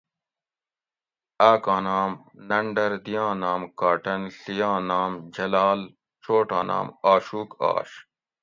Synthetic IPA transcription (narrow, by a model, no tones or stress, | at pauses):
aːkãːnaːm | nɐɳɖɐɾd̪ijãːnaːmkaːʈɐnɬijãːnaːmd͡ʑɐlaːl | t͡ɕoːʈãːnʔa̰ːmaːɕuːka̰ːɕ